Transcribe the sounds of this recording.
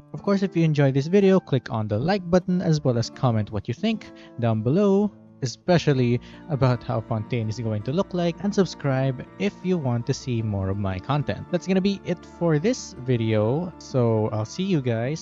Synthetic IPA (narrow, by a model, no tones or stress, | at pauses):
ɔv̥kʰɔɹsɪfjuɛ̃nd͡ʒɔjðɪs̬vɪɾioʊklɪkʰɔ̃nd̪əlaɪk̚bʌt̪n̩æzwɛlˠəskʰɑmɛ̃nt̪̚wʌt͡ʃjɨθɪ̃ŋk | d̪ãʊ̃nbɪloʊ | ɛspɛʃəlˠiəbaʊt̪haʊfɔ̃nt̪ẽɪ̃nɨsɡoʊɪ̃ŋt̪ulʊklaɪkɛ̃nd̪sɨbskɹaɪbɪfjuwɑ̃nt̪ːɨsimɔɹɔvmaɪkʰɑ̃nt̪ɛ̰̃nt̪̚ðætsɡ̥ɔnəbiʔɪt̪fɔɹðɪsvɪɾioʊsoʊa̰ɪlsijɨɡaɪs